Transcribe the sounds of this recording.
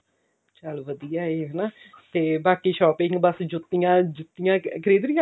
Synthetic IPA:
t͡ʃəlʋəd̪ijaːɦɛːnaː | t̪eːbaːkiːʃɔːpɪ̃ŋɡbəsd͡ʒʊt̪ːɪjãːd͡ʒʊt̪ːɪjãːkʰəɾiːd̪ɾɪjãː

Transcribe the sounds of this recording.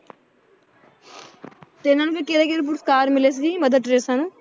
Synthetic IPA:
t̪enãːnũpʰɪɾkeɾeːkeɾp̬ʊɾskaːɾmɪleːs̬iːməd̪əd̪ɾeːsaːnũː

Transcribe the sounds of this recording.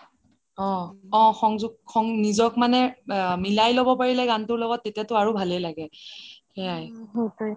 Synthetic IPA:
ɔ̃ɔ̃xɔŋzuɡ̚xɔŋnizɔkmanɛmilajlobɔpaɹilɛɡantʊɹlɔɡɔtːetijatʊaɹubʱalɛlaɡɛhɛjajɦt

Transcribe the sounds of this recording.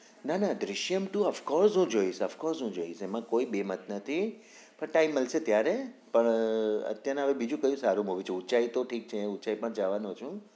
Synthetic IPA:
nanad̪ɾɪʃjəmʈũəʋkɔɾsɦũd͡ʒoisəfkɔɾsɦũd͡ʒoisemãkoibemət̪nət̪ʰi | pəɳʈaimːəlset̪jaɾepəɳə̰t̪janeɦəʋebid͡ʒũkəjũsaɾũmɦoʋit͡ʃʰeut͡ʃait̪oʈʰik̚t͡ʃʰeut͡ʃaipəɳd͡ʒaʋanot͡ʃʰũ

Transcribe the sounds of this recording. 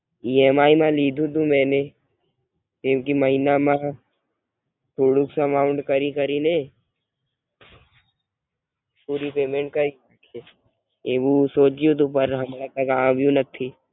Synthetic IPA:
iːeːmaːimãliːd̪ʱũt̪ũmɛ̃ːne | t̪ɪ̃mkimɐɦinamã | t̪ʰuːɽuksəmaːʊɳɖkɐɾikɐɾine | puːɾipeːmẽɳʈ̚kɐɾiakʰe | eʋusoːt͡ʃiut̪̬upɐɾɦɐmɾat̪ɐkãːbʱjũnɐk̚t̪ʰːi

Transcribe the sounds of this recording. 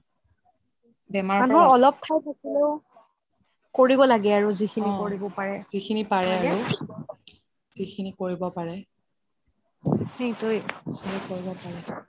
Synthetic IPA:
bɛmaɹanuɦɔɹɔlɔp̚tʰajtʰakɛleʊ | koɹibɔlaɡɛaɹuzikʰinikoɹibɔpaɹɛzikʰinipaɹɛaɹu | z̥ikʰinikoɹibɔpaɹɛ | hejtojsɔɹikoɹibɔpaɹɛ

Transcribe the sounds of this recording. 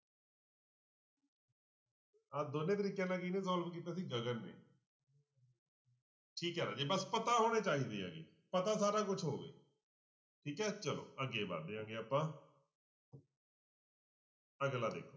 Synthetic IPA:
aːd̪onẽːt̪əɾiːkjẽːnãːkinẽːzɔːləmkiːt̪aːs̬ĩːd͡ʒəɡənːḛː | ʈʰiːkɛːɾaːd͡ʒeːbəspət̪aːɦoːɽ̃eːt͡ʃaːɦiːd̪ḛːã̰ːɡḛː | pət̪aːsaːɾaːkʊt͡ʃʰɦoːʋḛː | ʈʰiːkɦɛːt͡ʃəlo̰ːəɡeːba̰ːɾd̪eːãːŋɡeːaːpːãː | əɡlaːd̪ḛːkʰoː

